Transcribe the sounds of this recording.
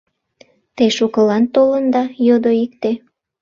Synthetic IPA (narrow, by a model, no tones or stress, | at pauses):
t̪eʃukəlɑnt̪olənd̪ɑjod̪oik̚t̪e